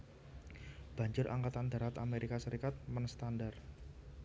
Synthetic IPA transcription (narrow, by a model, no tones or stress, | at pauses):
b̥a̤ɲd͡ʒʊrʔa̰ŋkat̪and̪a̤ɾat̪a̰meɾikasəɾikat̪̚mənst̪andar